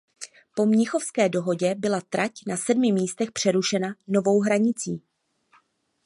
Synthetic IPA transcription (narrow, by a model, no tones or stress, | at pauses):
po̞mɲɪxofskɛːdo̞ɦo̞ɟɛbɪlat̪ɾacnasɛdmɪmiːst̪ɛxpr̝̥ɛɾuʃɛnano̞vo̞wɦɾaɲɪt͡siː